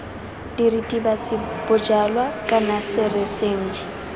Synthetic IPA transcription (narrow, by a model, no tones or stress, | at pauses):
d̥iritʼibat͡sʼɪb̥ʊd͡ʒalwakʼanasɪrɪseŋ̩ɛ